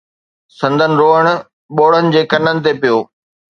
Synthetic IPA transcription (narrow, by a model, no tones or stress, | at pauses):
sɐ̃nd̪ʱənɪ̆ɾoːəɽ̃ʊ̆ | ɓoːɽ̤ənɪ̆d͡ʑeːkɐnənɪ̆t̪epijoː